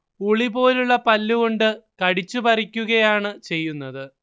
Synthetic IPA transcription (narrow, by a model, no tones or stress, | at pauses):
uɭibo̞ːluɭːɐpɐlːuɣoɳɖɨkɐɽit͡ɕːupɐrikʲːuɣɐjaːɳɨt͡ɕe̞jːunːɐðɨ